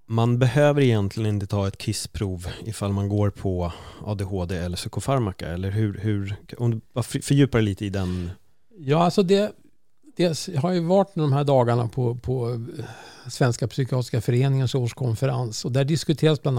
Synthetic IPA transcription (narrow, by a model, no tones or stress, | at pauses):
manbɛhøːvəɾɪjɛnt̪ʰlɪɡənɪnt̪ət̪ʰɑːɛt̪kʰɪspʰɾuːvɪfalmanɡoːɾpʰɔʔɑ̰ːd̪ehoːd̪eːɛlːəʂœkʊfaɾmaka̰ɛlːəɾɦɵɾhɵɾɔmd̪ɵbɑffœɾjʉ̟ːpaɾɛliːt̪əɪd̪ɛn | jɑːalsɔd̪ɛ | d̪̥ɛsɦaɾjjɵvɑʈːmɛd̪ɔmɦæːɖɑːɡaɳapʰɔpʰɔ | svɛnskapsʏkɪɑːt̪ɪskafœɾeːnɪŋənʂoːʂkʰɔnfɛɾansɔd̪ɛhæɖɪskɵt̪ʰeːɾasbland̪